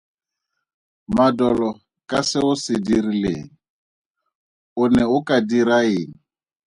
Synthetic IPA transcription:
madɔlɔ | kʼasɪʊsɪdiɾilḛːŋ̩ | ʊnɛʊkʼadiɾaiːŋ̩

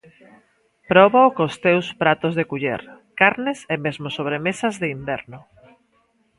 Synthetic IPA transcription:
pɾɔβakost̪ewspɾat̪ozðekuʎḛɾkaɾnesemezmosoβ̞ɾemesazðeimbɛɾnʊ

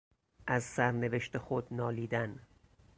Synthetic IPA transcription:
ʔæzsæɾne̞veʃt̪exod̪nɒːliːd̪æn

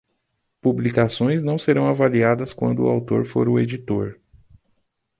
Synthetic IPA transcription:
publikasõj̃znɐ̃w̃seɾɐ̃w̃avaliad̪ɐskwɐ̰̃nd̪ʊ̰ːawt̪oɾfo̰ɾʊed͡ʒit̪oɾ

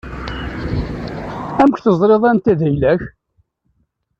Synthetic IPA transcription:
æmkʷθəzˤɾeðˤænt̪æðæjlæç

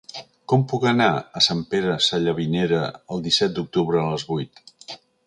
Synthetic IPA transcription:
kɔmpukənaəsampeɾəsaʎəβineɾəəlˠd̪isɛt̪̚d̪uk̚t̪uβ̞ɾəːləzβujt̪

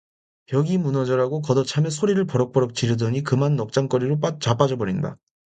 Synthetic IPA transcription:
jʌɡimunʌd͡ʑʌɾaɡokʌdʌt͡ɕʰamesʰoɾiɾɯɭpʌɾʌk̚p͈ʌɾʌk̚t͡ɕiɾɯdʌɲikɯmanːʌk̚t͡ɕ͈aŋk͈ʌɾiɾop͈at͡ɕap͈ad͡ʑʌbʌɾinda̰

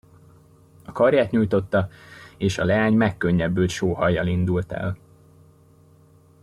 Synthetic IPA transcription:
ɒkɒrjaːt̪ɲuːjt̪o̞t̪ːɒeːʃɒ̰lɛaːɲmɛkːøɲːɛbːøːlʃoːhɒjːɒlind̪ult̪ɛ̰l

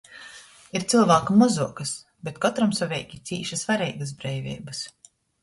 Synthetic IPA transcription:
iɾt̪silˠvaːkumɔzuɔkɐs | bet̪kɔt̪ɾamsɔvʲɛjkʲit̪sʲiːʃasvaɾɛjɡas̬bɾɛjvʲḭːbɐs

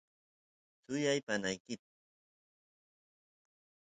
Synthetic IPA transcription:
t͡sʊjajpanajkɪt̪̚

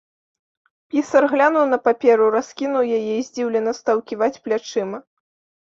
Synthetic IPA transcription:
pʲisɐrɣlʲanuwn̪ɐpapʲɛɾuraskʲinuwjajɛizʲd͡zʲiwlʲɛnɐst̪ɐwkʲivat͡sʲplʲat͡ʂɨmɐ

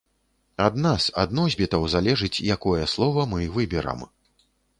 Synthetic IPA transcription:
ad̪nasad̪nɔzʲbʲit̪ɐwzalʲɛʐɨt͡sʲjakɔjɛslˠɔvɐmɨvɨbʲɛɾɐ̰m

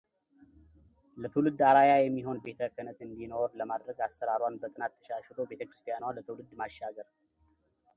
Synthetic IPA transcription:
lət̪ʰɨwlɨd̪ːaɾajajɛmːiɦo̞nbe̞t̪ʰəkʰʼːənət̪ɨnd̪ino̞ɾləmad̪ɾəɡasːəɾaɾwanbət̪ʼɨnat̪ʰːə̥ʃaʃɪlo̞be̞t̪ʰəkɾɨst̪ʰijanwalət̪ʰɨwlɨd̪ːmaʃːaɡəɾ

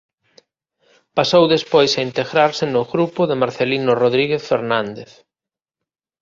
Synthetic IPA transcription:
pasowðespojsaint̪eɣɾaɾsɪnʊɣɾupʊðemaɾθelinʊroðɾiɣeθfeɾnãnd̪eθ

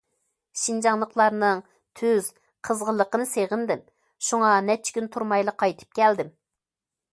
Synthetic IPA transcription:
ʃind͡ʒɑŋlˠəqlˠɑɾnɨŋ | t̪ʰyz̥ | qʰəzʁəlˠːəqənɨseʁənd̪ɪm | ʃuŋɑnɛt͡ʃʰɪ̥kʲynt̪ʰuɾmɑjlˠəqʰɑjt̪ʰɨ̥p̚kʲʰɛld̪ɪm

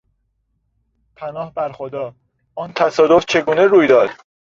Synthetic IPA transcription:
pʰænɒːhbæɾxod̪ɒː | ɒːnt̪ʰæsɒːd̪oft͡ʃʰe̞ɡuːne̞ɾuːjd̪ɒːd̪̥

